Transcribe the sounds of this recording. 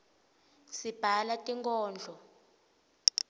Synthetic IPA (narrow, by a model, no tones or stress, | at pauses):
sib̥ʱalatʼiŋkʰʼɔːnd͡ɮʱɔ